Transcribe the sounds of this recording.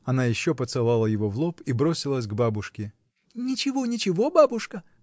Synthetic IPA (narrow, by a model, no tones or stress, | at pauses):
ɐnajɪɕːopət̪sɨlˠalˠəjɪvovlˠopʰibɾosʲɪlˠəsʲɡbabʊʂkʲɪ | nʲɪt͡ɕɪvonʲɪt͡ɕɪvo̞babʊʂkə